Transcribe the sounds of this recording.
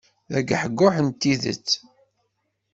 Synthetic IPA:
æɡħəɡːʊħənt̪ːiðə̰t͡sː

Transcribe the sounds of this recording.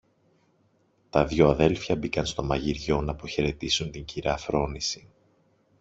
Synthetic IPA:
t̪ɐðʝo̞ɐðe̞lfçɐbikɐnst̪o̞mɐʝiɾʝo̞nɐpo̞çe̞ɾe̞t̪isunt̪iɲɟiɾɐfɾo̞nisi̥

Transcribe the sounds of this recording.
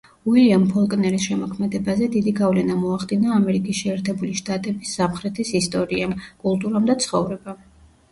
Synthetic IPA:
uiliampʰɔlˠkʼnɛɾisʃɛmɔkʰmɛd̪ɛbazɛd̪id̪iɡavlɛnamɔaχd̪inaːmɛɾikʼisʃɛːɾt̪ʰɛbuliʃt̪ʼat̪ʼɛbisːamχɾɛt̪ʰisist̪ʼɔɾiamkʼulˠt̪ʼuɾamd̪at̪sʰχɔvɾɛbam

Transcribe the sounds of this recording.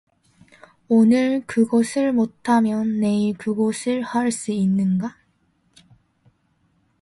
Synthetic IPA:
onɯɭkɯɡʌsʰɯɭmotʰamjʌnːe̞ekɯɡʌsʰɯɭhaɭs͈uinːɯnɡa

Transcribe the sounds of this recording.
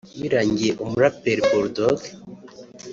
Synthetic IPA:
jiɾaɲɡieʔomuɾapeɾboɾd̪oɡ

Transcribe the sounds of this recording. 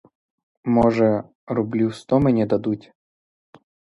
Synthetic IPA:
mɔʒɛ | ɾublʲust̪ɔmenʲɛd̪ɐd̪utʲ

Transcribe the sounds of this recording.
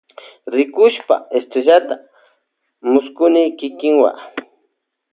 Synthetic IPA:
ɾɪkʊʃpa̰est̪ɾeʒat̪a | mʊskʊnɪkɪkɪŋwa̰

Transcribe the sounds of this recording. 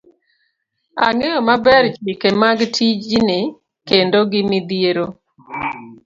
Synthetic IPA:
aŋejɔmabɛɾt͡ʃikemaɡtʰid͡ʒine | kendoɡɪmɪd̪ieɾo

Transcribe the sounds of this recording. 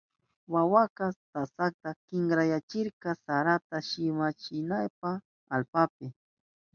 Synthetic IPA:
wawakat̪asak̚t̪akɪŋɡɾajat͡ʃɪɾkɑsaɾat̪aʃɪmat͡ʃɪnajp̚a | alpap̚ɪ

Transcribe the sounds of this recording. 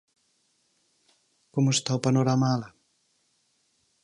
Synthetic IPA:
komuest̪awpanoɾamala

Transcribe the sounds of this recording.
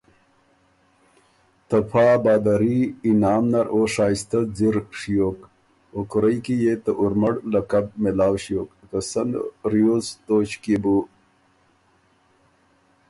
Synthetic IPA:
t̪ɐpʰaːbaːd̪aɾiːnaːmnɐɾoːʂaːist̪ɐziɾʂijoːk | okuɾəjkijet̪əʔuɾmɐɽlɐkɐb̚melaːwʂijoːkk̪əsɐnɾijoːzt̪oːt͡ɕkibu

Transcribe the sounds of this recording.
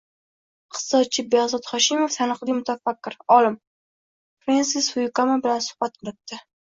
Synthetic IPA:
qt̪ɨ̥sɒt̪̚t͡ʃʰːɪbeʁzɒt̪χɒʃɪmoft̪ʰanɨqlˠijmʊt̪ʰafakʲːɪɾɒlɪm | fɾensɪsvʊjʊkamabɪlansʊ̥hb̥at̪̚ɪlɪt̪ːɪ

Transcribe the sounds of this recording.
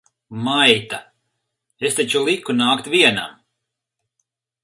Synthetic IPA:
majt̪a | est̪at͡ʃulˠikunaːkt̪vʲiɛna̰m

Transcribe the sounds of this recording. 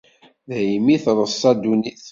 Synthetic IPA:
ðhimiθɾˤəsˤːɑd̪uniθ

